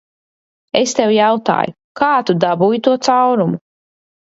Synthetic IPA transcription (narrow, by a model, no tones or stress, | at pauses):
est̪ewjawt̪a̰ːju | kaːt̪ud̪abuːjit̪uɔt̪sawɾumu